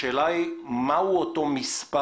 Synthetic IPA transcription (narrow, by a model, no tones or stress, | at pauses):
ɛlajmawɔt̪ɔmispa